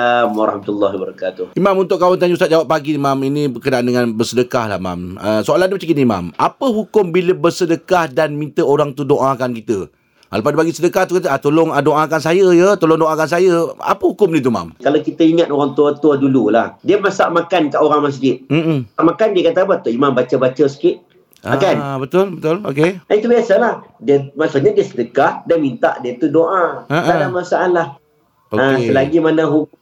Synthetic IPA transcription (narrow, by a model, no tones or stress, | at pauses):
mwaɾɑhmat̪lːaɦbaɾakat̪ʊhimãmunt̪ʊkawant̪̬aɲəustat̪̚d͡ʒawapːaɡiimaminĩbəkədaʔandəŋãnbərsədəkahla̰hma̰mə̰soalanibat͡ʃəkiniima̰mapəɦukʊmbiləbərsədəkahdanmĩnt̪əoɾaŋt̪udoʔakankit̪ə | halapadəpaɡisədəkaht̪ukat̪̬əat̪olʊŋdoʔakansajəjət̪olɔŋdoʔakansajəa̰pəhukʊmnit̪uma̰mkalawkit̪əiŋat̪oɾaŋt̪uat̪uadulula̰hdiəmasaʔmakankaʔoɾaŋmas̬d͡ʒɪt̪̚m̩amakandiəkat̪abat̪oʔimambat͡ʃəbat͡ʃəsə̥kɪt̪̚ | aakanbət̪ʊlbət̪ʊlokeait̪ubiasalahdiəmaʔsuʔɲadiəsədəkahdamint̪a̰ʔdiət̪udoʔãaadamasaalah | oəsəlaɡimanaɦu